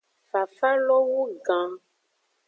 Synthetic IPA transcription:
fa˨fa˦lɔ˦wu˦ɡã˨

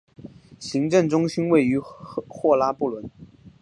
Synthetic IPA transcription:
ɕi˧˥ŋʈ͡ʂɤ˥˩ŋʈ͡ʂʊ˥ŋɕi˥nwe˥˩ɪy˧˥xwɔ˥˩la˥pu˥˩lwə˧˥n

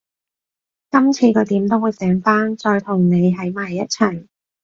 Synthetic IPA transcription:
kɐ˥mt͡sʰiː˧kʰɵ˨˧˥t̪iː˨˥mt̪o˥wuː˨˧jsɛː˨˥ŋfaː˥nt͡ʃɔː˧jt̪ʰʊ˨˩ŋne˨˧jɦɐ˨˥jmaː˨˩jːɐ˥t̚t͡sʰɐ˨˩j

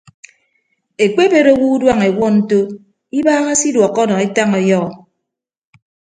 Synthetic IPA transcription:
e˨k͡pe˦be˦ɾo˦wu˦dwa˦ŋe˨wɔ˦n̩˦to˦ | i˦baː˦ŋa˦si˦dwɔ˨kːɔ˦nɔ˨i˦ta˦ŋɔ˨jɔ˦ɣɔ˨

